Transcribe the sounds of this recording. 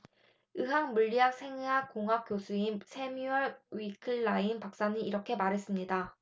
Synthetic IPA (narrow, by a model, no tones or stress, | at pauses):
ɯɦaŋmuʎːiɦak̚sʰe̞ŋɯɦakoŋɦak̚k͈josʰuinsʰe̞miʌɭɥikʰɯɭːainpak̚s͈aniiɾʌkʰe̞maɾɦe̞s͈ɯmɲida